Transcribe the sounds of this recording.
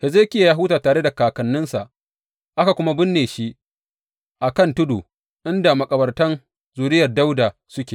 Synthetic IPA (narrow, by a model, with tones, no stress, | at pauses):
hɛ˨zeː˦kʲɪ˦ja˨jaː˦ɦʊː˦taː˨taː˨ɾe˦da˨kaː˨kɐ˨nːʊ˦nsa˨ʔ | ʔa˦ka˨kʷʊ˦ma˦bɪ˦nːeː˨ʃi˦ʔ | ʔa˨kɐ˦˨ntʊ˦duː˨ | ʔɪ˦nda˨mɐ˨kʼɐ˨bɐ˨rtɐ˦n | zuː˨ɾɪ˦jɐ˨rda˦wda˨sʊ˦kʲeː˨